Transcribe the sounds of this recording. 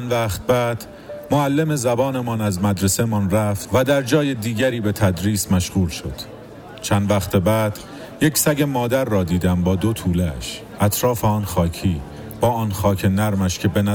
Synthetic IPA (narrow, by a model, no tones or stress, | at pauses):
nvæːχt̪̚bæːd̪̥ | moælːeme̞zæbɒːne̞mɒnæzmæd̪ɾesemɒnræft̪væd̪æɾd͡ʒɒːje̞d̪iːɟæɾiːbe̞t̪ʰæd̪ɾiːsmæʃɣuːlʃo̞̰d̪̥ | t͡ʃʰænd̪væxt̪ebæːd̪̥ | jecsæɟe̞mɒːd̪æɾːɒːd̪iːd̪æmbɒːd̪o̞t̪ʰuːleʃ | ʔæt̪ʰɾɒːfeɒːnxɒːcʰiː | b̥ɒːɒːnxɒːcʰe̞næɾmæʃcʰe̞be̞næ